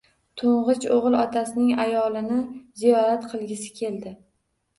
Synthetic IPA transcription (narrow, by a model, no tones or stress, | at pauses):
t̪ʰoɴʁɨt͡ʃoʁɨlˠɒt̪ʰasɪnɪŋajɒlˠɪnɪzijɒɾat̪qʰɨlˠɡʲɪsɪ̥kʲʰe̞ld̪ɪ